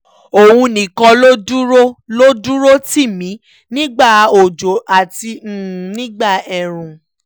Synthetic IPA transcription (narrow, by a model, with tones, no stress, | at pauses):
o˨wũ˧nĩ˨kɔ̃˧lo˦du˦ɾo˦lo˦du˦ɾo˦ti˦˨mĩ˨˦ | nĩ˦ɡ͡ba˦˨o˨d͡ʒo˨ʔa˨tĩ˧˦˨nĩ˦ɡ͡ba˦˨ɛ˨ɾ̃ũ˨